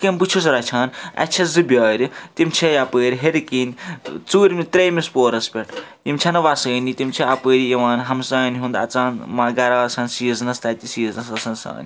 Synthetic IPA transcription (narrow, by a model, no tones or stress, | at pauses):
kembɨt͡ʃʰus̬ɾɐt͡ʃʰaːnɐ̰t͡ʃʰɐzɨbʲjɐːɾit̪imt͡ʃʰɐjapəːɾʲiɦeɾikinʲt͡suːɾmit̪ɾejmispoːɾɐspʲeʈjimt͡ʃʰɐnɐʋasɐːnit̪imt͡ʃʰiapɨːɾieʋaːnɦɐmsaːnɦũnd̪ɐ̰t͡saːnmaɡɐɾaːsʰɐːnsiznɐst̪at̪ʲisiznɐsɐsɐnsa̰ːni